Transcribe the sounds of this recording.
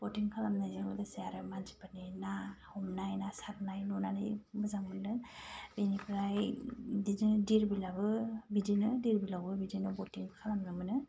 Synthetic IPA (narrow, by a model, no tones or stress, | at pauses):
b̥ɔtiŋkʰalamnɯilɔdaseaɾɯmanzi̥paninahumnajnasaɾnajnunanɯjmɯzaŋmɯnːɯbenipʰɾajdizidiɾbilabɯbidinɯdiɾbilabɯbidinɯbɔtiŋkʰalamnɯmɯnɯ